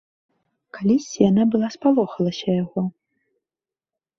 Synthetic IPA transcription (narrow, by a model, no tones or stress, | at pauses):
kalʲisʲt͡sʲijanabɨlˠaspalˠɔxɐlˠɐsʲɐjaɣɔ